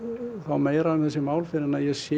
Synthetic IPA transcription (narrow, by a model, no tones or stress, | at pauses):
θawmeːjɾaʏmθɛsːɪmaːwlfɪɾɪnaðjɛɣsjɛ